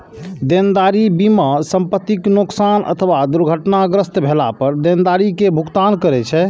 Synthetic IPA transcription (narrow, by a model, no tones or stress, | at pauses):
d̪end̪aɾibimasəmpət̪ːiknoksanə̰t̪ʰəʋad̪uɾɡʱəʈnaɡɾəst̪bʱelapəɾd̪end̪aɾikebʱukt̪ankəɾɛt͡ʃʰɛ